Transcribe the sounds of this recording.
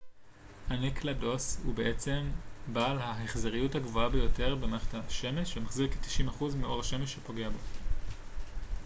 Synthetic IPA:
anikʰlado̞shṵbeʔet͡se̞mbaːlhaɦeχzeʁijuthaɡvoabejo̞te̞ʁbemaχtaʃe̞meʃemaχziʁketi̥ʃimaχuzmiʔo̞ʁhaʃe̞meʃːepo̞ɡeabo̞

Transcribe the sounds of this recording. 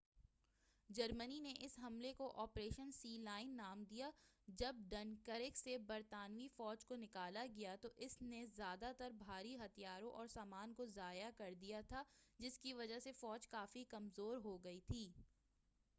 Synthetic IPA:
d͡ʒɐɾmənineʔɪsɦɐmlekoʔɔːpɾeːʃənsiːlaːɪnːaːmd̪ijad͡ʒɐb̚ɖɐnkəɾɪksebɐɾt̪aːnʋifɔːd͡ʒkonɪkaːlaɡijat̪oʔɪsnezjaːd̪at̪ɐɾbʱaːɾiɦɐt̪ʰijaːɾõʔɔːɾsaːmaːnkozaːjakɐɾd̪ijat̪ʰad͡ʒɪskiʋɐd͡ʒaɦsefɔːd͡ʒkaːfikɐmzoːɾɦoɡɐit̪ʰiː

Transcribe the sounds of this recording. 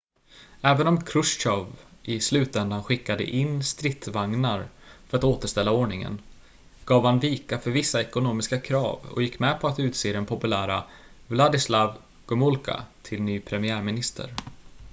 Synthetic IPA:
ɛːvənɔmkʰɾɵʂɕɔvɪslʉ̟ːt̪ɛnd̪anɧɪkːad̪ə̰ʔɪnst̪ɾɪt̪ːvaŋnaɾfœɾat̪oːt̪əʂt̪ɛlːaoːɳɪŋə̰n | ɡ̥ɑːvhanviːkafœɾvɪsːaɛkʊnoːmɪskakʰɾɑ̰ːvɔ̰jɪkːmɛpʰɔat̪ʉ̟ːt̪seːd̪ɛnpʰɔpɵlæːɾa̰ | vlad̪ɪslav | ɡ̥ɵmʊlkʰa̰t̪ʰɪlnyːpʰɾɛmɪæːɾmɪnɪst̪ʰə̰ɾ

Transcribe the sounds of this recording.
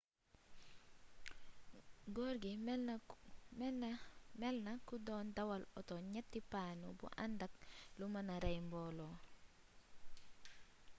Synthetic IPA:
ɡoɾɡi | m | mɛlnakudɔndawalɔtoɲɛtːipanubṵʔandak̚lumanaɾajmbɔlɔ

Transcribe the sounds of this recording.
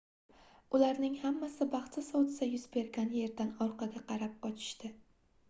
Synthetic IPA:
ʊlaɾnɪŋhamːasɪbɑχt͡ʃ̪ʰɪsɒwt̪ʰɪsajʊzbe̞ɾɡʲanje̞ɾd̪anɒɾqɑɡʲaqʰɑɾap̚qɒt͡ʃʰɪ̥ʃt̪ɪ

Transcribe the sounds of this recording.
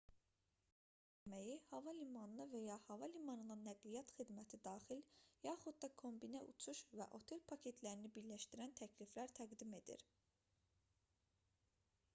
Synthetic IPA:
æmæjihɑvɑlimɑnɯlˠɯvæjɑhɑvɑlimɑnɯlˠɯnæɡlijɑt̪xid̪mæt̪ʰid̪ɑːxiljɑːχud̪̚d̪ɑkʰo̞mbinæʔut͡ʃʰuʃvæʔo̞t̪ʰe̞lpʰɑcʰe̞t̪ʰlæɾinibiɾlæʃt̪iɾænt̪ʰæcʰliflæɾt̪ʰæɡd̪ime̞d̪ḭɾ

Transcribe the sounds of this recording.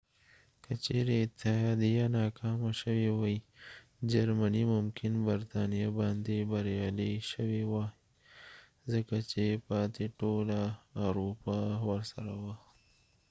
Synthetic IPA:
kat͡ʃeɾeɪt̪ːɪhɑːd̪ijanɑkʰɑmaʃəwewaj | d͡ʒaɾmanimʊmkʰɪnbaɾt̪ɑnijabɑnd̪ebaɾjɑliʃəwewa | zəkat͡ʃepɑːt̪eʈolaːɾupawəɾsaɾawa

